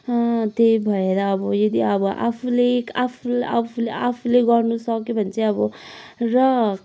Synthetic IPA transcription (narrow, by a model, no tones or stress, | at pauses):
ʌt̪ejbʱʌeɾʌːbʌjʌd̪iʌbʌʔa̰pʰulekapʰulapʰuleapʰuleɡʌrnusʌkebʱʌnt͡sʰʌʌbʌrʌ